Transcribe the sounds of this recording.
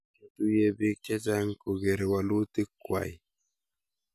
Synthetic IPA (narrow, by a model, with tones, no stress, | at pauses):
e˦tu˦je˦bi˦kɛ˦d͡ʒa˦ŋko˨ɡe˨ɾwa˨lu˦ti˦kwa̰˨j